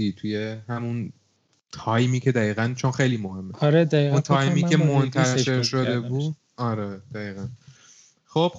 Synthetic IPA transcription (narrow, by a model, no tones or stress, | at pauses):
iːt̪ʰuje̞hæmun | t̪ʰɒjmiːcʰe̞d̪æiːɣænt͡ʃʰo̞nxejliːmo̞he̞mːɾed̪æiunt̪ʰɒːjmiːkʰemont̪ʰæe̞ɾʃo̞d̪e̞buːd̪ | ɒɾed̪̥æiːɣæn | xob̥